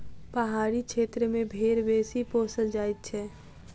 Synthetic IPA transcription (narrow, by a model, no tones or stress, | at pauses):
pəɦaɾikt͡ʃʰet̪ɾəmebʱeɾbesiposəld͡ʒajt̪̚t͡ʃʰɛ